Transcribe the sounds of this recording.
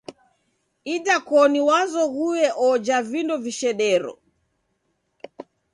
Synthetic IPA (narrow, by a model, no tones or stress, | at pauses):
idakɔniwazɔɣuwɛʔɔd͡ʒavindɔviʃɛɗɛɾɔ̰